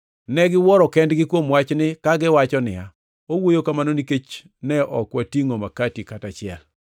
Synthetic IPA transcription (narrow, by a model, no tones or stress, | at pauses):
nɛɡɪwɔɾɔkɛndɡɪkwomwat͡ʃnɪkaɡɪwat͡ʃɔnɪja̰ | owojokamanoniket͡ʃ | nɛʔɔkwatiŋomakatikatat͡ʃɪɛ̰l